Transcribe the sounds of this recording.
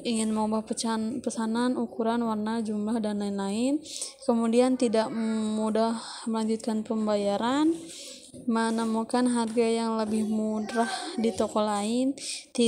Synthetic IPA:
iŋɪnməŋubahpət͡ʃanpəsananukuɾanwarnad͡ʒumlahdanlaɪnlaɪnkəmudiant̪idaʔmudahməlaɲd͡ʒut̪̚kanpəmbajaɾan | mənəmukanɦarɡajaŋləbɪhmudɾahdit̪okɔlaɪnt̪i

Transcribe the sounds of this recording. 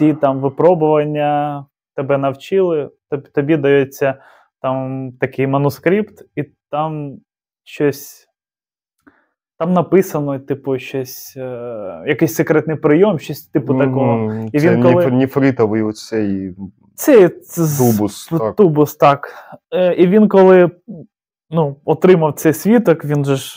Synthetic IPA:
tʲit̪amʋɪpɾɔbʊʋɐnʲːɐ | t̪ɛbɛnɐwt͡ʃɪlˠɪt̪t̪ɔbʲid̪ɐjɛt͡sʲːɐ | t̪ɑmt̪ɐkɪjmɐnʊskɾʲipt̪it̪am | ʃɔsʲ | t̪ɑmnɐpɪsɐnɔt̪ɪpʊʃt͡ʃɔsʲ | jɐkɪjsʲsekɾɛt̪nɪjpɾɪjomʃt͡ʃɔsʲt̪ɪpʊɐkɔɦɔiʋʲinnkɔlˠɪnʲifɾʲit̪ɐʋɨjɔt͡ssɛj̪ | sɛj̪ubʊst̪ubʊst̪ɑk | iʋʲinkɔlˠɪ | nuɔt̪ɾɪmɐwt̪sɛjsʲʋʲit̪ɔkʋʲinʒɛ

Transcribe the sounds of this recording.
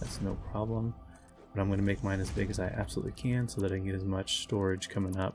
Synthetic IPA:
ðæ̰tsnoʊpʰɹ̥ɑblə̃m | b̥ʌɾãɪ̃mɡʌnɨmeɪk̚mãɪ̃ndɨzbɪɡɨzaɪʔæ̰b̥səlṵtˡlikʰɨ̃nsoʊðɨɾaɪɡɛɾɨzmʌt͡ʃstɔɹɨd̥ʒ̥kʰʌmɪ̃ŋʌp

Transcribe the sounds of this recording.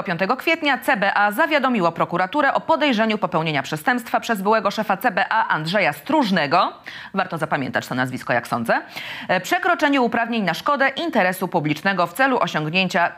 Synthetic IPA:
pʲjɔnt̪ɛɡɔkfʲjet̪ɲat̪sɛbɛʔazavʲjad̪ɔmʲiwɔpɾɔkuɾat̪uɾɛʔɔpɔd̪ɛjʐɛɲupɔpɛwɲeɲapʂɛst̪ɛmpst̪fapʂɛzbɘwɛɡɔʂɛfat̪sɛbɛʔaʔandʐɛjast̪ɾuʐnɛɡɔvaɾt̪ɔzapamʲjɛ̰nt̪at͡ɕt̪ɔnazvʲiskɔja̰ksɔ̰nd̪zɛpʂɛkɾɔt͡ʂɛɲuupɾavɲeɲnaʂkɔd̪ɛʔint̪ɛɾɛsupublʲit͡ʂnɛɡɔft̪sɛluʔɔɕɔŋɡɲeɲt͡ɕa

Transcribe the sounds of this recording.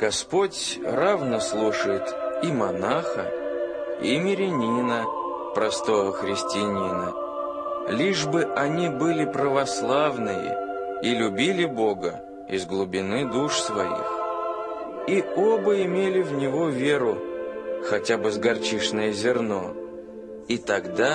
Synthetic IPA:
ɡ̥ɐspo̞tʲ | ravnəslˠuʂəjɪt̪imɐnaxə̰ | ḭmʲɪɾʲɪnʲinə | pɾʔɐst̪o̞vəxɾʲɪsʲtʲɪnʲinə | lʲiʐbɨʔɐnʲibɨlʲɪpɾəvɐslˠavnɨjə̰ | ilʲʊbʲilʲɪbo̞ɡə | ɪ̰zɡlˠʊbʲɪnɨd̪uʂsvɐjḭx | iobəɪmʲelʲɪvnʲɪvo̞vʲeɾʊ | xɐtʲabɨzɡɐrt͡ɕiʂnəjəzʲɪrno̞ | it̪ɐɡd̪a

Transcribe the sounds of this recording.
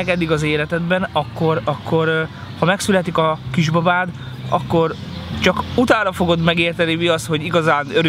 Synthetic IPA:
ɛkɛd̪ːiɡɒzeːlɛt̪ɛd̪bɛnɒkːo̞ɾɒkːo̞ɾ | hɒmɛksylɛt̪ikɒkiʒbɒbaːd̪ɒ̰kːo̞r | t͡ʃɒkut̪aːnɾɒfo̞ɡo̞d̪mɛɡeːrt̪ɛnimiɒst̪ho̞ɟiɡɒzaːnøɾø

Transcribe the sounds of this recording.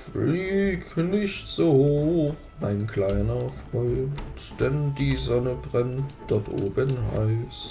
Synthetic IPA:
fliːknɪçtz̥oːhooːx | maɪnkl̥aɪnɐfʁ̥ɔʏnt | d̥ɛndiːzɔnəbʁɛntd̥ɔɐtʔo̰ːbənɦa̰ɪs

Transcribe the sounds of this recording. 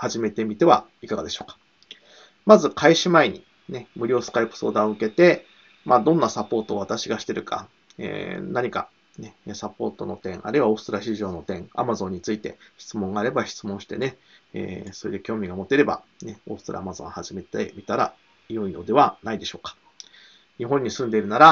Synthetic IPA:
haʑime̞t̪e̞mʲit̪e̞βaikaɡad̪e̞ɕo̞ːkḁ | mazɨkʰaiɕimaiɲ̟i | ne̞mɯ̟ɾʲo̞ːsɨ̥kaipɯ̥so̞̰ːd̪aoɯ̟ke̞t̪e̞ | maːd̪õ̞nːasapo̞ːt̪o̞ːβat̪aɕiɡaɕi̥t̪e̞ɾɯ̟kʰa̰ | ḛːnaɲ̟ika̰ | ne̞sapo̞ːt̪ono̞t̪ẽ̞ɴ̃ʔa̰ɾɯ̟iβaosɨ̥t̪oɾaɕ̬iʑo̞ːno̞t̪ẽ̞ŋa̰mazõ̞ɲ̟ːit͡sɨit̪e̞̰çi̥t͡sɨmoŋɡaːɾe̞baçi̥t͡sɨmõ̞ɰ̃ɕi̥t̪e̞ne̞ | ḛːsoid̪ekʲo̞ːmʲiɡamo̞t̪ːe̞ɾe̞ba̰ne̞o̞sɨ̥t̪oɾʔa̰ːmazõ̞̰haʑime̞t̪ḛmʲit̪aɾa̰ | ijoino̞d̪e̞βanaid̪e̞ɕo̞ːkḁ | ɲ̟iɦõ̞ɲ̟ːisɨ̃nd̪e̞iɾɯ̟naɾa

